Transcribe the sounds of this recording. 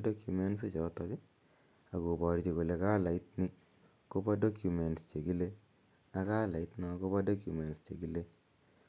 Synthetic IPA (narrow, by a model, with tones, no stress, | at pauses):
do˦kju˨me˦nsi˦t͡ʃɔ˨tɔ˦kɪ˦ | a˨ku˨pɔ˨ɾt͡ʃi˨ko˨le˨ka˦la˨ɪ˦t̚ni˦ | ko˦pa˦do˦kju˨me˨nst͡ʃe˨ki˦le˦ | a˦kaː˦la˨ɪ˦tna˦ko˦pa˦do˦kju˨me˨nst͡ʃe˨ki˦le˦